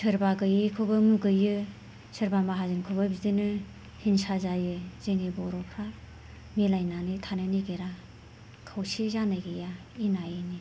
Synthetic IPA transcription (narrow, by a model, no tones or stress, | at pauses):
sʰɯɾbaɡɯjɯkʰobɯmuɡɯjɯ | sɯɾbamaɦazɯŋkʰobɐbidɯnɯ | hinsazajɯziŋebɔɾɔpʰɾa | melajnanɯtʰanɯniɡeɾa | kʰawsizanajɡeja | inajɯni